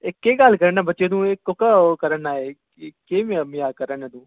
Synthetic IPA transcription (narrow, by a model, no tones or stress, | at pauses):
ɪkːeːɡalkəɾənãːbətːʃẽːnũːekːʊkaːkəɾənaːeː | keːmemɪjaːkəɾənãːnũː